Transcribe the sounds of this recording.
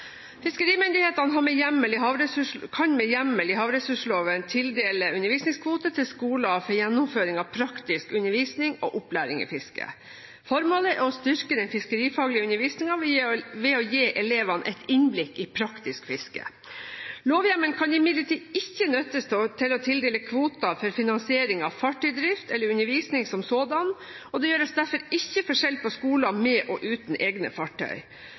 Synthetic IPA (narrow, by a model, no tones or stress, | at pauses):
fɪskəɾiːmʏnd̪ɪheːt̪ɑnəɦɑːɾmɛjæmːəlɪɦɑːʋɾɛsʉʂkʰɑnmɛjæmːəlɪɦɑːʋɾɛsʉʂloːʋənt̪ʰɪld̪eːləʉnəɾʋiːsnɪŋskʰʋuːt̪ət̪ʰɪlskuːlɑfɔɾjɛnːʊmføːɾɪŋɑʋpʰɾɑkt̪ɪskʉnːəɾʋiːsnɪŋɔ̰ːʔʊplæ̰ːɾɪ̰ŋɪ̰fɪskə̰ | fɔɾmoːləɔst̪ʏɾkəd̪ɛnfɪskəɾiːfɑːɡlɪʉnəɾʋiːsnɪŋɑʋɛɔjeːʔɛleːʋɑnʔɛ̰ɪt̪ʰɪnblɪkːɪpʰɾɑkt̪ɪskfɪskə̰ | loːʋjæmənkʰɑnɪmɪd̪ləʈiːd̪ɪçːənœt̪ːəst̪ʰot̪ʰɪlɔt̪ʰɪld̪eːləkʰʋuːt̪ɑfɔɾfɪnɑnsɪeːɾɪŋɑʋfɑʈːœʏd̪ɾɪft̪ɛlːəɾʉnəɾʋiːsnɪŋsɔmsoːd̪ɑn | ɔd̪ɛjøːɾəsd̪æɾfɔɾɪçːəfɔʂɛlpɔskuːlɑmɛʔɔʔʉːt̪n̩ʔeːɡnə̰fɑʈʰːœ̰ʏ